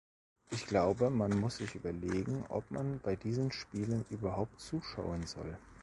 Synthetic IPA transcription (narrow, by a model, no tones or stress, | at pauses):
ʔɪçɡ̥laʊbəmanmʊsz̥ɪçʔyːbɐleːɡŋ̩ʔɔ̰pma̰nb̥aɪdiːzənʃpiːlənʔyːbɐɦaʊp̚tt͡suːʃaʊənzɔ̰l